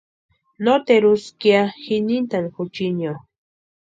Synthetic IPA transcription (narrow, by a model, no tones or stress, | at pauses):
not̪eɾuskjaxinint̪anxʊt͡ʃinjo